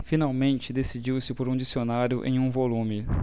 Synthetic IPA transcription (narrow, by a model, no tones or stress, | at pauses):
finawmẽnt͡ʃɪd̪esid͡ʒiwsɪpoɾũd͡ʒisionaɾjʊʔḛ̃j̃ũvolũmɪ